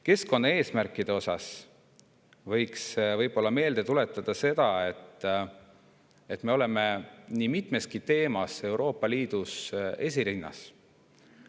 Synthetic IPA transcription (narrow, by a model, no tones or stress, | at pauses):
ke̞sko̞nːɑe̞ːsmærkːˑid̪̥eo̞sɑs | vɤjksvɤjb̥o̞lːɑme̞ːld̪̥e̞t̪ule̞t̪ːˑɑd̪̥ɑse̞d̪̥ɑet̪ːˑ | et̪ːˑme̞o̞le̞me̞nimit̪ˑme̞skit̪e̞ːmɑse̞wɾo̞ːpːˑɑliːd̪̥use̞s̬ʲiɾinːɑ̰s